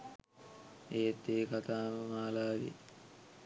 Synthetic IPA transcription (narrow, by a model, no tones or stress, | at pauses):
eːt̪ːeːkat̪aːməmaːlaːdḛ